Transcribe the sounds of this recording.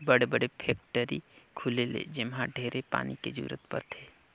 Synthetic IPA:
bəɽebəɽepʰeːk̚ʈəɾikʰulelḛd͡ʒɪmɦãɖʱeːɾepa̰ːniked͡ʒṵːɾə̰t̪pə̰ɾt̪ʰeː

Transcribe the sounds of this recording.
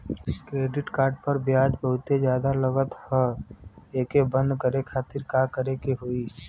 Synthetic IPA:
kɾeːɖɪʈkaːɾɖpəɾbjaːd͡ʒbəɦʊt̪ed͡ʒjaːd̪aləɡət̪hə | eːkebə̃nd̪kəɾekʰaːt̪ɪɾkaːkəɾekeɦoiː

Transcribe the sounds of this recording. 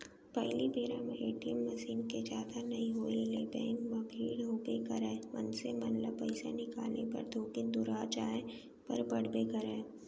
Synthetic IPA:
pɛɦlibʱeːɾamẽeːʈiəmːəsiːnked͡ʒaːt̪anɐĩɦoːileːbɛːnmɐɡlilʱoːbekɐɾɛːʋɐ̰nsemɐnləbpəɪsḛnɪkaːlnepɐ̰ɾd̪ʱoːkɪnd̪ʊɾaːd͡ʒaːe | pɐ̰ɾbɐɽ̤bekəɾẽː

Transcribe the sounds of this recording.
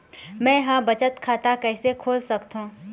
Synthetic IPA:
mɛ̃jɦãbɐt͡ʃət̪kʰaːt̪akɛːsekʰoːlsɐkt̪ɦũː

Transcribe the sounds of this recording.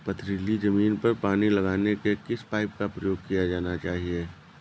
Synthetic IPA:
pɐt̪ʰɾilid͡ʒɐmiːnpɐɾpaːnilɐɡaːnekekɪspaːɪp̚kapɾɐjoːɡ̚kijad͡ʒaːnat͡ʃaːɦieː

